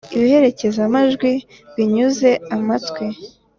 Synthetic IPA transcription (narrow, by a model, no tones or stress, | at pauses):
iβihe̞ɾe̞ce̞zamaʒɡwi | βiɲuze̞amatwe